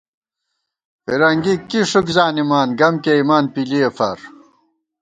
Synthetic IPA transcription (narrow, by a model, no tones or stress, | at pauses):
pḭɾɐŋɡikiʂukzaːnimaːnɡɐmkeimaːnpiliɐfɐɾ